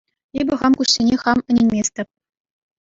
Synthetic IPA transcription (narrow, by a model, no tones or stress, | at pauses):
ebʲɘ̆ʁɑmkuɕsʲenʲeχɑmɘ̆nʲenʲmʲesʲtʲɘ̆p̚ʲ